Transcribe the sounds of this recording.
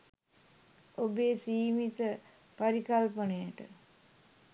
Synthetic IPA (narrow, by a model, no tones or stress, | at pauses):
obeːsiːmit̪ə | paɾikalpənəjəʈə̰